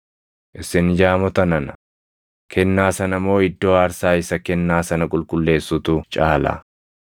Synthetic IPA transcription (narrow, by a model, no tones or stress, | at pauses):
ʔɪsɪnd͡ʒaːmɔt̪ɐnɐnɐ | kʰɛnːaːsɐnɐmːo̞ːɪd̪ːo̞ːaːɾsaːɪsɐkɛnːaːsɐnɐkʼʊlkʼʊlːe̞ːsːut̪ʊt͡ʃʼaːla̰